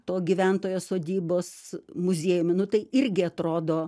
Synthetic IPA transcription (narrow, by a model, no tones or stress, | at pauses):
t̪oːɡʲiʋʲɛnt̪oːjoːsoːd̪ʲiːboːsmʊzʲeːjʊmʲɪnʊt̪ɐɪɪɾʲɡʲɪɐt̪ɾoːd̪oː